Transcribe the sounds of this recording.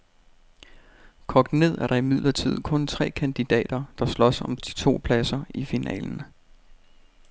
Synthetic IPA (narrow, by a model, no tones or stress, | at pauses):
kʰɒ̽ɡ̥̚d̥ne̝ð̞̰ˠæɐɾ̥ɑ̈imiðˠlɐt͡sʰið̰ˠkʰɔ̽nt͡sʰʁɛ̰ːkʰænd̥id̥ɛ̰ːd̥ɐd̥ɑ̈slɒ̽sɒ̽md̥i̥t͡sʰo̝̰ːpʰlæsɐifinʔɛ̰ːln̩